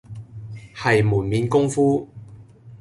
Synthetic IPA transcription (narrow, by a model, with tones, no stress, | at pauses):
hɐ˨jmuː˨˩nmiː˨˧nkʊ˥ŋfuː˥